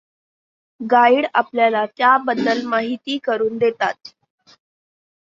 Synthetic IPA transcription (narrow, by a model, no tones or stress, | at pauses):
ɡaiɽa̰pljalat̪jabəd̪ːəlmaɦit̪iːkəɾuːnd̪et̪a̰t̪̚